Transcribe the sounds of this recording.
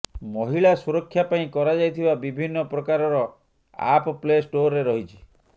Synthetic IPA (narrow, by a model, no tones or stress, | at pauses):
mɔɦiɭasuɾɔkʰːjapaĩkɔɾad͡ʒajt̪ʰibabibʱinːɔpɾɔkaɾɔɾɔ | a̰pɔplesʈoɾeɾɔɦit͡ʃʰi̥